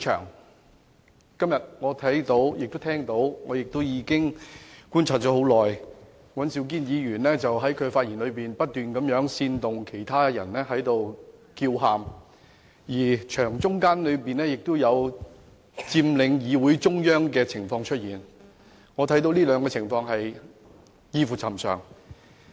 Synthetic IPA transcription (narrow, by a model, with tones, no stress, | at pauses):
t͡ʃʰœ̰ː˨˩ŋ | kɐ˥mjɐ˨t̚ŋɔː˨˧t̪ʰɐ˨˥jt̪o˨˧˥wjɪ˨k̚t̪o˥wt̪ʰɛː˥ŋt̪o˨˥wŋɔː˨˧jɪ˨k̚t̪o˥wjiː˨˧kɪ˥ŋkuː˥nt͡sʰaː˧t̚t͡ʃɔː˨˥ɦo˨˧˥wlɔː˨˩j | wɐ˨˥nsiː˨˧wk̬iː˥njiː˨˧ɥyː˨˩nlɛː˥t͡sɐ˨wɦɐ˨˥jkʰɵ˨˧ɥfaː˧t̚jiː˨˩nlɵ˨˧ɥpiː˨˩npɐ˥t̚t̪yː˨nkɐ˨˧˥mjœː˨˥ŋsiː˧nt̪ʊ˨ŋkʰe˨˩jt̪ʰaː˥jɐ̰˨˩nlɛː˥ɦɐ˨˥jt̪o˨wki˧wɦaː˨m | jiː˨˩t͡ʃʰœː˨˩ŋt͡sʊ˥ŋkaː˥nlɵ˨˧ɥpiː˨nlɛː˥jɪ˨k̚t̪ʊ˥wjɐ˨˧w | t͡siː˧mlɪ˨˧ŋjiː˨˧wu˨˥jt͡sʊ˥ŋjœː˥ŋkɛː˧t͡sʰɪ˨˩ŋfɔː˧ŋt͡ʃʰɵ˥t̚jiː˨˩n | ŋɔː˨˧t̪ʰɐ˨˥jt̪o˧˥wliː˥lœː˨˧ŋkɔ˧t͡sʰɪ˨˩ŋfɔː˧ŋɦɐ˨j | jiː˧fuː˨˩t͡sʰɐ˨˩msœ̰ː˨˩ŋ